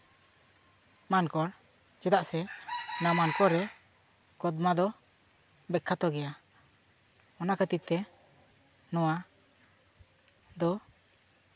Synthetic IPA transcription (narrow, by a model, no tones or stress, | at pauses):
mankɔɾ | d͡ʒɛd̪aʔsɛnamankɔɾɛ | kɔd̪mad̪ɔ | bɛkʰːat̪ɔɡɛja | ɔnakʰət̪it̪ɛ | nɔwa | d̪ɔ